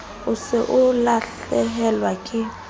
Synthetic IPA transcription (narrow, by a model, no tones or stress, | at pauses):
ʊsɪʔʊlaɬ | ɛɦɛlwakʼɪ